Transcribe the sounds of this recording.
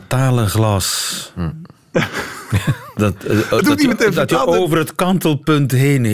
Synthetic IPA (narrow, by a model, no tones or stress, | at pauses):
taːlənχlɑs | dɔtdtiətetəoːvərətkɑntəlˠpɵntɦejn